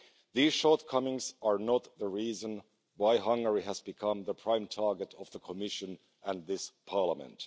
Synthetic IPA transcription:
ðiz̥ʃɔɹtkʰʌmɪ̃ŋzə˞nət̪̚ðəɹizə̃n | waɪɦʌ̃ŋɡə˞iæzbɨkʰʌ̃mðəpʰɹ̥ãɪ̃mtʰɑɹɡɨɾʌvðəkʰəmɪʃɨ̃n | ʔæ̃nðɪspʰɑɹləmə̰̃nt

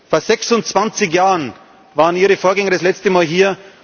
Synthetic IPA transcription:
foːɐzɛksʊnt͡sv̥ant͡sɪç̬jaːʁən | vaːʁəniːʁəfoːɐɡɛŋɐdaslɛt͡stəmaːlɦiːɐ

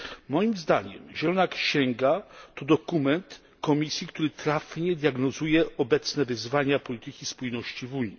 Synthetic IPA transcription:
mɔjimzd̪aɲɛ̰mʑɛlɔnakɕɛŋɡat̪ɔd̪ɔkumɛnt̪ | kɔmʲisʲjikt̪uɾɘt̪ɾafɲɛd̪ʲjaɡnɔzujɛɔbɛt̪snɛvɘzvaɲapɔlʲit̪ɘkʲispujnɔɕt͡ɕivuɲi

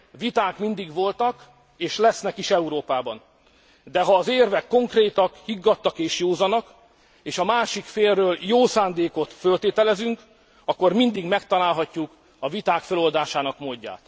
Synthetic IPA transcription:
vit̪aːkmind̪iɡʋo̞lt̪ɒk | eːʃlɛsnɛkiʃɛuɾoːpaːbɒn | d̪ɛɦɒːzeːrvɛkːo̞ŋkreːt̪ɒkhiɡːɒt̪ːɒkeːʃjoːzɒnɒk | eːʃɒmaːʃikfeːlrøːljoːsaːnd̪eːko̞t̪følt̪eːt̪ɛlɛzyŋk | ɒkːo̞rmind̪iɡmɛkt̪ɒlaːlɦɒcːuk | ɒvit̪aːkfɛlo̞ld̪aːʃaːnɒkmoːɟːa̰ːt̪

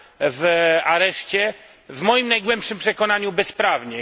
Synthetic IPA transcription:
vaɾɛʂt͡ɕɛ | vmɔjimnajɡwɛmpʂɘmpʂɛkɔnaɲubɛspɾavɲɛ

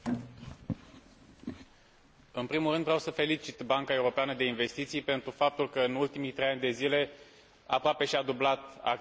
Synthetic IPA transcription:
ɨnpɾimulɾɨnd̪vɾeawsəfe̞lit͡ʃit̪baŋkae̞uɾo̞peanəd̪e̞inve̞st̪it̪sijpe̞nt̪ɾufap̚t̪ulkəɨnult̪imijt̪ɾe̞janʲd̪e̞zile̞ | a̰pɾoape̞ʃiad̪ublat̪a̰

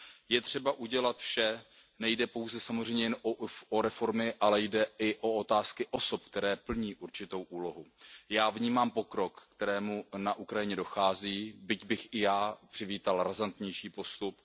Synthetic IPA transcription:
jɛt̪r̥ɛbaʔuɟɛlat̪fʃɛ | nɛjdɛpo̞wzɛsamo̞zr̝ɛjmɲɛjɛnooɾɛfo̞ɾmɪʔalɛjdɛʔɪʔoo̞t̪aːskɪʔo̞sop̚kt̪ɛɾɛːpl̩ɲiːʔuɾt͡ʃɪt̪o̞wʔuːlo̞ɦujaːvɲiːmaːmpo̞kɾo̞kːt̪ɛɾɛːmunaʔukɾajɪɲɛdo̞xaːziːbɪcbɪxʔɪjaːpr̥ɪviːt̪alɾazant̪ɲɛjʃiːpo̞st̪up

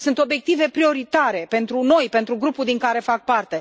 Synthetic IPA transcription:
sɨnt̪o̞bje̞k̚t̪ive̞pɾio̞ɾit̪aɾe̞pe̞nt̪ɾuno̞jpe̞nt̪ɾuɡɾupuld̪iŋkaɾe̞fak̚part̪e̞

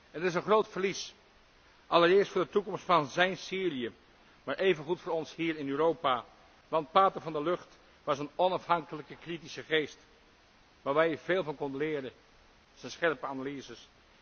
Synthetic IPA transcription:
ɛnətɪs̬ənχrowtfəɹlis | ʔɑlˠəɾɪːɹstfʊːɹdətukɔmstfɑnzɛjnsiːriə | maːɹʔejvənχutfʊːɹɔnshiːɹɪnøːɾowpa | ʋɑntpaːtəvɑndəløχt | ʋɑsənɔnɑfhɑŋkələkəkritisəχeːst | ʋaːɹʋɛjəɹv̥eːlˠvɑnkɔndəlɪːɾə | sənsχɛɹpəanalizəs

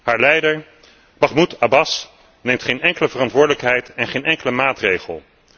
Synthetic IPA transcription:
haːɹlɛjdəɹ | b̥ɑχmutʰabɑs | nejmtχejnɛŋkələvərɑntʋʊːɹdələkɦɛjtɛnχejnʔɛŋkələmaːtrejχə̰lˠ

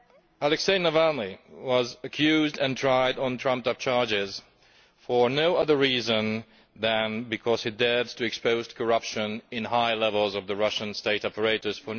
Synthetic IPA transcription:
ælɛkseɪnəvælˠniwʌzɨkʰjʉzdɨ̃ntʰɹ̥aɪɾn̩tʰɹ̥ʌ̃mp̚tʌp̚t͡ʃʰɑɹd͡ʒɪz̥ | fə˞noʊʌðə˞ɹizə̃n | ðɨ̃nbɨkʰɔz̥hidɛdz̥tʰɨɨkspoʊzkʰə˞ʌpʃɨ̃nɪ̃nhaɪlɛvəlˠzʌvðɨɹʌʃə̃nsteɪɾɔpə˞eɪɾə˞z̥fə˞

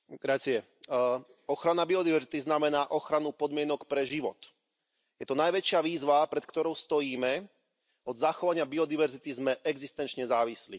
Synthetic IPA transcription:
ɡɾat͡siɛ | ɔxɾanabiɔd̪iʋɛɾzit̪iznamɛnaːʔɔxɾanupɔd̪mɪɛnɔkpɾɛʒiʋɔt̪ | jɛt̪ɔnajʋɛt͡ʃɪaʋiːzʋapɾɛt̪kt̪ɔɾɔʊst̪ɔjiːmɛ | ɔd̪zaxɔʋaɲɪabiɔd̪iʋɛɾzit̪izmɛʔɛɡzist̪ɛnt͡ʃɲɛzaːʋislḭ

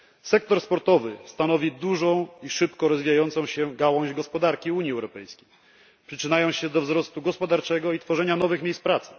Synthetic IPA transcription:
sɛk̚t̪ɔɾspɔɾt̪ɔvɘst̪anɔvʲid̪uʐɔ̃w̃iʂɘpkɔɾɔzvʲijajɔnt̪sɔ̃w̃ɕɛɡawɔ̃w̃ʑɡɔspɔd̪aɾkʲiuɲjiɛwɾɔpɛjskʲej | pʂɘt͡ʂɘnajɔ̃w̃ɕɛd̪ɔvzɾɔst̪uɡɔspɔd̪aɾt͡ʂɛɡɔit̪fɔʐɛɲanɔvɘxmʲejspɾat̪sɘ̥

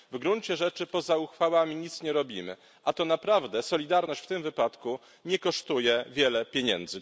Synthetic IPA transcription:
vɡɾuɲt͡ɕɛʐɛt͡ʂɘpɔzauxfawamʲiɲit̪sɲɛɾɔbʲimɘ̰ | ʔat̪ɔnapɾavd̪ɛsɔlʲid̪aɾnɔɕt͡ɕft̪ɘmvɘpat̪ku | ɲɛkɔʂt̪ujɛvʲjɛlɛpʲjeɲɛ̰nd̪zɘ

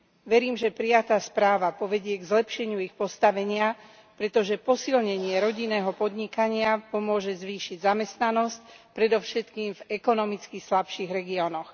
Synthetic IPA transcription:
ʋɛɾiːmʒɛpɾijat̪aːspɾaːʋapɔʋɛɟɪɛɡzlɛpʃɛɲɪuixpɔst̪aʋɛɲɪa | pɾɛt̪ɔʒɛpɔsilɲɛɲɪɛɾɔɟinːɛːɦɔpɔd̪ɲikaɲɪapɔmʊɔʒɛzʋiːʃiɟzamɛst̪nanɔsc̚pɾɛd̪ɔʊʃɛt̪kiːmvɛkɔnɔmit͡skislapʃiɣɾɛɡiɔnɔx

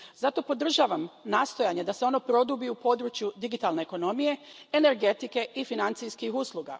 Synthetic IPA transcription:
zat̪o̞po̞d̪r̩ʒaːʋamnaːst̪o̞jaɲe̞d̪ase̞o̞nopɾo̞d̪ubiupo̞d̪ɾut͡ʃjud̪iɡit̪alˠne̞eko̞no̞mije̞ene̞ɾɡe̞t̪ike̞ʔifinant̪sijskixuslˠuɡa̰

